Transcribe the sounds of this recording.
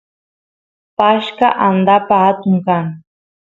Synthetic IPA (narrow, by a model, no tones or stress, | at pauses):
paʃkaʔand̪apaat̪ʊŋkaŋ